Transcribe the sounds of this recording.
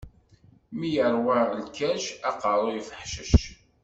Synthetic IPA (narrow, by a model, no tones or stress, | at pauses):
mijəɾˤwalkæʃæqəɾˤojfəħʃəʃ